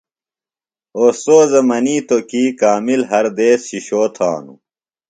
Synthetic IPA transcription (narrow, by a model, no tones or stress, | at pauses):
oːsoːzɐmɐniːt̪okiːkaːmilɦɐɾd̪eːsɕiɕoːt̪ʰa̰ːnṵ